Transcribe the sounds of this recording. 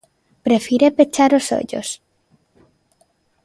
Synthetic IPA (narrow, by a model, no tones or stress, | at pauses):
pɾefiɾepet͡ʃaɾoso̰ʎo̰s